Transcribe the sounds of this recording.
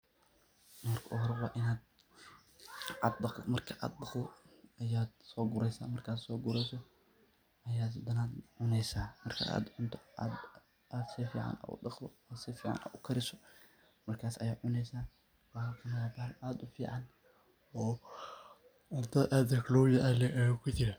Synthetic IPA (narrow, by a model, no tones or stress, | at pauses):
mɐrkʰɐʔʊɦɔɾɛwɑ̰ːʔɪnaːd̪ | ad̪bɑmɐrkʰɐʔa̰ːd̪̚bɑqd̪ɔɐjaːd̪sɔːɡʊɾɛjsa̰ːmɐrkʰaːd̪sɔːɡʊɾɛjsɔ | ɐjaːd̪ɐnaːd̪ʕʊnɛjsaːmɐrkʰɐ̰a̰ːd̪ʕʊnt̪ʰɐa̰d̪ | aːd̪sifḭːʕa̰nʔa̰ːʊ̰ɗɑqd̪ɔasifiːʕɑ̰nʔa̰ːd̪ʊkʰɐɾɪsɔ̥ | mɐrkʰaːsɐjaːʕʊnɛjsaː | wɑːhakʰɐmɪðɐfaʕlaːd̪ʊfḭːʕɑn | ɔː | ʊnt̪ʰɐʔad̪ɐklɔwjɐʔɐlɛʔɐjakʰʊt͡ʃɪɾɐ